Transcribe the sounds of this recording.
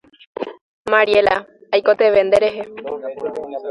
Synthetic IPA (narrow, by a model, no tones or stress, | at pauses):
maɾiela̰ajkot̪eʋe̞nd̪eɾeɦe